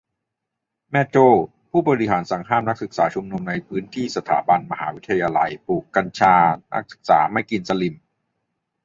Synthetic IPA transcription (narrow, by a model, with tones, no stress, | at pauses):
mɛ˧˥t͡ɕoː˥˩ | pʰuː˥˩bɔː˧ɾi˦˥ɦaː˩˦nsa˩˦ŋɦaː˥˩mna˦˥k̚sɯ˨˩k̚saː˩˦t͡ɕʰu˧mnu˧mna˧jpʰɯː˦˥nt̪ʰiː˥˩sa˧t̪ʰa̰ː˩˦ba˧nma˧ɦa̰ː˩˦wt̪ʰːa˧jaː˧la̰˧jpuː˨˩kːa˧nt͡ɕʰaː˧nʔa̰˦˥k̚sɯ̥˨˩k̚sa̰ː˩˦ma˥˩jki˧nsa˧li˨˩m